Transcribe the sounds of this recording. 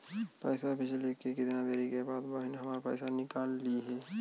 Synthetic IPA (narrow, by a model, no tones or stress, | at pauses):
pɛːsapɪt͡ʃʰlekekɪd̪ɪnãd̪eːɾikebaːd̪baːɦɪnɦɐmaːɾapɛ̰ːsanɪkaːlːiɦɛː